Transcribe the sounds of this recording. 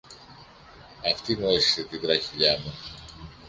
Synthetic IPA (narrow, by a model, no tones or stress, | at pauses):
ɐft̪inoisi̥set̪iðɾɐçiʎɐmu